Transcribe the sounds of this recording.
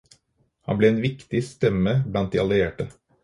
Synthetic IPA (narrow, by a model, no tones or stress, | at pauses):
hɑ̰nbleːeːnʋɪkt̪ɪst̪ɛməblɑnt̪̚d̪iːɑlɪeːʈə